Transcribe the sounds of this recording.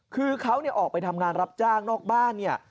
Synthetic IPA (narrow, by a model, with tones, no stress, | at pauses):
kʰɯː˧kʰa˦˥wni˥˩ɐʔɔː˨˩k̚pa˧jt̪ʰa˧mŋaː˧nɾa˦˥p̚t͡ɕaː˥˩ŋnɔː˥˩k̚baː˥˩nːi˥˩ɐ